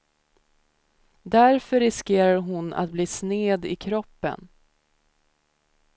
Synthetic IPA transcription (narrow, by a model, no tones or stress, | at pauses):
d̪æɾfœɾɪskeːɾaɾɦʊna̰t̪̚bliːsneːd̪ɪkʰɾɔpːə̰n